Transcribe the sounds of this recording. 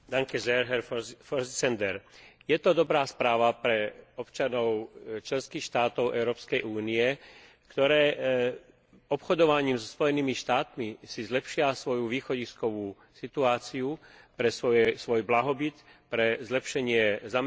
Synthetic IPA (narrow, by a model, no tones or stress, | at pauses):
d̪aŋkɛzɛɾɦɛɾfɔɾst͡sɛnd̪ɛɾjɛt̪ɔd̪ɔbɾaːspɾaːʋapɾɛɔpt͡ʃanɔʊt͡ʃlɛnskiːxʃt̪aːt̪ɔʊʔɛʊɾɔːpskɛjʔuːniɛ | kt̪ɔɾɛː | ɔpxɔd̪ɔʋaɲiːmzɔspɔjɛniːmiʃt̪aːt̪misizlɛpʃɪasʋɔjuʋiːxɔɟiskɔʋuː | sit̪uaːt͡siupɾɛsɔɛsʋɔjblaɦɔbit̪pɾɛzlɛpʃɛɲɪɛzamɛ